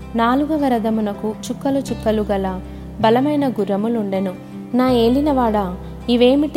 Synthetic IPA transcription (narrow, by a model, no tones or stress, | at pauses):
naːluɡɐʋɐɾɐd̪ɐmunɐkut͡ʃukːɐlut͡ʃukːɐluɡɐlɐ | bɐlɐmɐjnɐɡuɾɐmuluɳɖɐnu | naːe̞ːɭinɐʋaːɽɐ | iʋe̞ːmiʈ̪